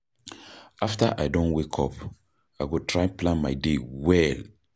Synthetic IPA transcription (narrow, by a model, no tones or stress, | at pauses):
afta̰ʔaɪdõnwekʰɔp | aɪɡotʰɹaɪ̃plãnmaɪdewɛl